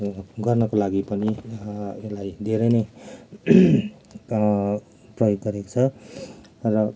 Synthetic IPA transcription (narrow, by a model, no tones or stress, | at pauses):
ɡʌrnʌkolaɡipʌni | elajd̪ʱeɾʌjnʌj | prʌjoɡːʌɾeko̥t͡sʰʌ | ɾʌ